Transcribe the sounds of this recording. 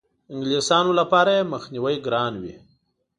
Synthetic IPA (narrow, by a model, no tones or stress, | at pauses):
ɪŋɡlisɑnolapɑɾajeməxniwəjɡɾɑnwḭ